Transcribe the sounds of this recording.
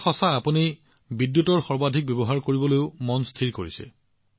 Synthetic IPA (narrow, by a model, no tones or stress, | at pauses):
xɔsaːpuni | bidjutɔɹxɔɹbadʱik̚bebɔɦaɹkoɹibɔlojʊmɔnstʰiɹkoɹisɛ̰